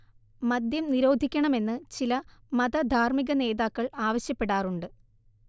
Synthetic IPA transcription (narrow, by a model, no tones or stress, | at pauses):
mɐd̪jɐmniɾo̞ːd̪ʱikʲːɐɳɐme̞nːɨt͡ɕilɐmɐðɐd̪ʱaːrmiɣɐne̞ːðaːkːɐɭaːʋɐɕjɐpːe̞ɽaːruɳɖɨ